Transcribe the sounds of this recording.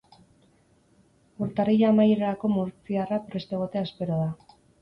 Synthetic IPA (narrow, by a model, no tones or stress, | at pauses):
uɾt̪arijaamajɾeɾako̞muɾt͡siarapɾe̞st̪e̞ɣ̞o̞t̪e̞aspe̞ɾoð̞a